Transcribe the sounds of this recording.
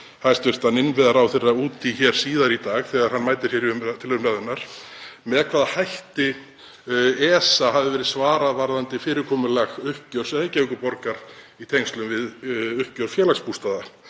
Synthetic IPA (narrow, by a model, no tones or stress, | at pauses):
hast̪vɪr̥t̪anɪnvɛðaɾawθɛrːauːt̪ʰiçɛɾ̥siːðaɾit̪aːɣθɛɣaɾ̥hanːmaːjt̪ɪɾ̥sɛɾiʏmt̪ʰɪlʏmraːðʏnaɾ̥mɛðkʰvaːðahajht̪ɪ | ɛːsaɦavðɪvɛːɾɪðsvaːɾaðvaɾðant̪ɪfɪːɾɪɾkʰɔːmʏlɛɣʏhcœɾ̥sɛejcaɪŋkʏpɔɾkaɾ | it̪ʰejŋst̪lʏmvɪðʏhcœɾ̥fjɛːlakspust̪aːða